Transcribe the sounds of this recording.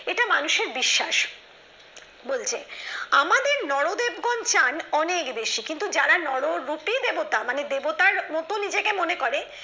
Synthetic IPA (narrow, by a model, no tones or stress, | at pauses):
eʈamanuʃeɾbiʃːaʃ | bolt͡ɕʰeamad̪eɾnɔɽod̪ebɡɔnt͡ɕanɔnekbeʃikint̪ud͡ʑaɾanɔɽoɾupid̪ebot̪amaned̪ebot̪aɾmɔt̪onid͡ʑekemonekoɾe